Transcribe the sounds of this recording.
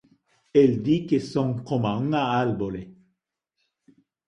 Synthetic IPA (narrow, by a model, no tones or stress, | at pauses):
ɛld̪ikesɔ̃ŋkɔ̃mãŋaalbole